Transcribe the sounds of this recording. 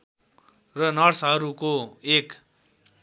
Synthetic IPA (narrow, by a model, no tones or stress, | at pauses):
rʌnʌrsɦʌɾukoek